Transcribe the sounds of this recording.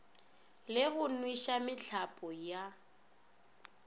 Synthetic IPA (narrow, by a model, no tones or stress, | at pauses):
lɪɣʊnwiʃamɪt͡ɬʰapʼɔja